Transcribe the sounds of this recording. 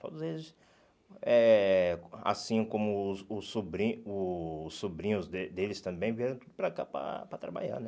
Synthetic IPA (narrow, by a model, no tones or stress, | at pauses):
t̪o̰d̪ʊzelɪs | ɛ | a̰sĩkõmʊsːsubɾĩʊːsːubɾĩɲʊzd̪ed̪elɪst̪ɐ̃bẽj̃viɛɾɐ̃t̪ud̪ʊpɾakapɾɐ̰pɾɐt̪ɾaba̰ʎa̰nɛ